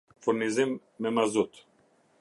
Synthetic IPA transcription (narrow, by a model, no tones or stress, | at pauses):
fuɾnizimː | ɛmazut̪